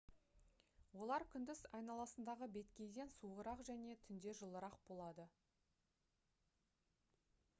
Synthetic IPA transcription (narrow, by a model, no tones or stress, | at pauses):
wo̞lˠɑɾkʲʰʏnd̪ɪzɑjnɑlˠɑsənd̪ɑʁəbe̞t̪kʲe̞jd̪e̞nsuʁəɾɑqʒæne̞t̪ʰʏnd̪e̞ʒəlˠəɾɑq̚bo̞lˠɑd̪ə